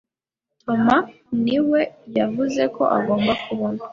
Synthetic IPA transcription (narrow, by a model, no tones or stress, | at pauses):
tʰo̞ma | niwe̞javuze̞kʰo̞̰ʔa̰ɡo̞ːmbakʰuβona